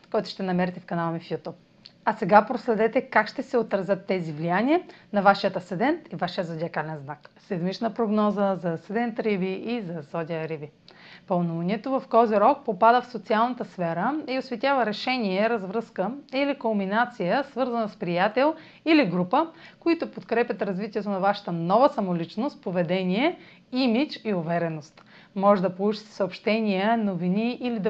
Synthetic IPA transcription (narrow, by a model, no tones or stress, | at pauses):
kɔjt̪ʊ̥ʃt̪ɛnɐmɛɾit̪ɛfkɐnalˠmifjut̪up̚ | ɐsɛɡapɾoslɛd̪ɛt̪ɛkakʃt̪ɛsɛot̪ɾɐzʲət̪ːɛzivlijaniənɐvaʃijət̪ɐsɛd̪ɛnt̪ivaʃəzod̪ʲiɐkalɛnznaksɛd̪mit͡ʃnəpɾoɡnɔzəzɐsɛd̪ɛnt̪ɾibiʔizɐsɔd̪ʲiəɾibipɐlˠnuvɐnʲiɛt̪ovɐfkɔziɾɔk̚popad̪əfsot̪sialˠnət̪əsfɛɾəiosvɛt̪ʲavəɾɛʃɛnʲiɛɾɐzvɾəskəilikomminat̪sijəsvɤɾzənəspɾijat̪ɛlˠ | iliɡɾupəkoit̪ʊpot̪kɾɛpʲjət̪ɾɐzvit̪ʲiɛt̪onɐvaʃɐ̥t̪ənɔvəsɐmolit͡ʃnost̪̚povɛd̪ɛniɛ | imit͡ʃiʊvɛɾɛnost̪ | mɔʒɛd̪ɐpolˠut͡ʃi̥t̪ɛ̥səopʃt̪ɛnʲijənoviniʔːlid̪ɐ